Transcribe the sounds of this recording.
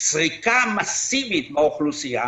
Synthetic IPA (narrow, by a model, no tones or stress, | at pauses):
t͡sʁikamasiɓit̪maoχlusia